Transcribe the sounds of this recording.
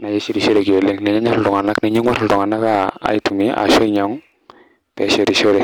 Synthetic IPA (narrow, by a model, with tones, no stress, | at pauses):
na˨je˦ʃi˦ɾi˨ʃo˦ɾe˨ki˨o˨le˦ŋnɛ˨ɲɛ˦ɲa˦ɾdu˨ŋa˨na˦kne˨ɲe˦ŋa˦ɾldu˨ŋa˨na˦ka̰ː˦˨i˦tu˨mi˦a̰˨ʃɔ˦ɲɔ˨˦ŋ | pɛ˨ʃe˨ɾi˨ʃo˦ɾe˨